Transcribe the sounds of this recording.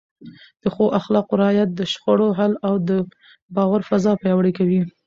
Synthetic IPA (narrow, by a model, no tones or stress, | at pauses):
d̪̥əxoʔaxlɑqʊɾɪɑjat̪̚d̪əʃxoɽoɦalawd̪ə | bɑwaɾfazɑpajɑwɽikawi